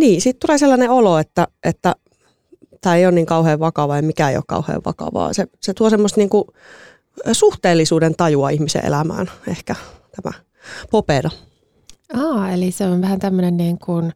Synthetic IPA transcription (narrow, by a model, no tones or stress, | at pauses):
niːsiːt̪t̪uleːselːɑneoloet̪ːæʔet̪ːæ | t̪æːeionniːŋkɑuheːʋʋɑkɑʋɑjɑmikæḛio̰kkɑ̰uhḛːʋʋɑ̰kɑ̰ʋɑ̰ːseset̪uosemːost̪niːŋku | suht̪eːlːisuːdent̪ɑjuɑihmisḛʔḛlæmæ̰ːnehkæt̪æmæ̰ | popeɾɑ | ɑːeliseonʋæhænt̪æmːønenniːŋkun